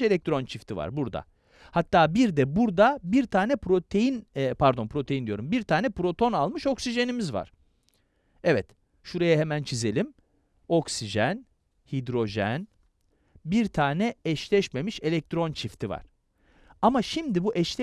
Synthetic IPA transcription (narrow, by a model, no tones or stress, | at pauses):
e̞lʲɛk̚t̪ɾo̞nt͡ʃʰift̪ʰiva̰ɾbuɾd̪a̰ | hat̪ʰːaːbiɾd̪ɛbuɾd̪abiɾt̪ʰaːnɛpɾo̞t̪ʰe̞jinpʰaɾd̪o̞npʰɾo̞t̪ʰejind̪ijo̞ɾumbiɾt̪ʰaːnɛpɾo̞t̪ʰo̞nalˠmɯʃo̞ksiʒe̞nimizva̰ɾ̥ | ɛvɛt̪ | ʃuɾajaɦemænt͡ʃʰize̞lʲim | o̞ksiʒæn | hid̪ɾo̞ʒɛn | biɾt̪ʰaːnɛɛʃlʲɛʃme̞miʃe̞lʲɛc̚t̪ɾo̞nt͡ʃʰift̪ʰiva̰ɾ̥ | amaʃimd̪ibuʔɛʃlʲɛ